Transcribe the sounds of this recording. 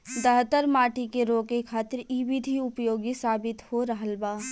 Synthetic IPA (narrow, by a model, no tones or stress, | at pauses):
d̪əɦt̪əɾmaːʈikeɾoːkekʰaːt̪ɪɾiwɪd̪ʱiʊpjoːɡisaːbɪt̪hoɾəɦəlbaː